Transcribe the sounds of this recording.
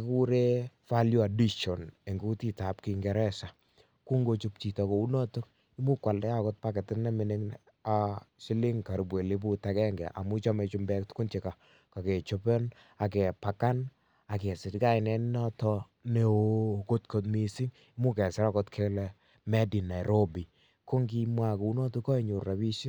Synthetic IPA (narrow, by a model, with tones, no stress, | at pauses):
ku˦ɾe˦fa˦lju˦a˨di˦ʃɔ˨ne˨ŋɡu˦ti˦ta˨p̚ki˨ŋɡɛ˨ɾɛ˦sa˨ | ku˦ŋɡo˦t͡ʃu˦p̚t͡ʃi˨tɔ˨ko˨u˦nɔ˦to˦k | i˦mu˦kwa˨ldɛ˦a˦kɔ˦t̚pa˦ke˨tɪ˦nnɛ˦mɪ˨ne˦ŋ | asɪ˦lɪ˦ŋka˨ɾi˨bwe˨li˦p̬u˦takɛ˦ŋɡɛ̰˨ʔa̰˨mu˦t͡ʃɔ˦me˨t͡ʃu˦mbɛ˦ktkʊ˦nt͡ʃe˨ka˨ | ka˨kɛ˨t͡ʃo˦pe˦n | a˨k̬ɛ˨pa˨ka˦n | a˨kɛ˨sɪ˨dka˦ɪ˨nɛ˦n˦nɔ˦tɔ˧ | ne˨oko˦tko˨tmi˦si˦ŋ | i˦mu˦kɛ˨sɪ˦ɾa˦kɔ˦tkʰe˦lɛ˦ | mɛ˦di˨na˨jɾo˦bi˨ | ko˦ŋɡi˦mwa˦ko˨u˦nɔ˦tu˦kːɔ˦i˦˨ɲu˨ɾa˨bi˦ʃi˦